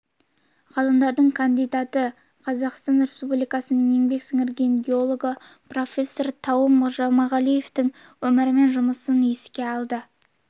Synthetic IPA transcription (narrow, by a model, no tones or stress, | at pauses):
ʁɑlˠəmd̪ɑɾd̪əɴkʰand̪ijd̪ɑt̪ə | qʰɑzɑqst̪ɑnɾespublijkɑsənəɴe̞ŋbe̞ksɪŋɪɾɡʲe̞nɡʲeo̞lˠo̞ɡə | pro̞fʲe̞sːo̞rt̪ʰɑwəmʒɑmɑʁɑlˠije̞ft̪ɪŋ | wɵmɪɾɪme̞nʒʊməsəneskʲe̞ɑlˠd̪ə